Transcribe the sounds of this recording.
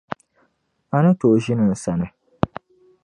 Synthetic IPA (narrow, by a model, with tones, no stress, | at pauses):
a˨nɨ˦to˨ʔʒɪ˦nɨ˨n̩˨sa˨nɨ˦